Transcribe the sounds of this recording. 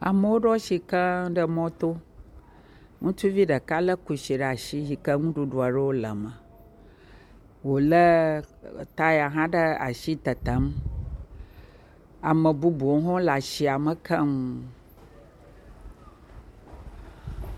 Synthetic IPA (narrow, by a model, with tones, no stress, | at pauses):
a̰˨mə˨wo˦ɖɔ˦ʃi˨kə˦ɖə˦mɔ̃˦t̪o˦ | ŋũ˦t͡ʃu˦vi˦ɖə˨ka˦lə˦ku˨ʃi˨ɖə˦˨a˨ʃi˦ɦi˨kə˦ŋũ˦ɖu˨ɖu˨a˨ɖə˦wo˦lə˨mə˨ | wo˨lə˦˨ | t̪a˦ja˨ɦã˦ɖə˦a̰˨ʃi˦t̪ə˨t̪ə˨˦m | a˨mə˨bu˦bu˨˦ɦɔ̃˦la˨ʃi˨a˨mə˨kʰə˦m˨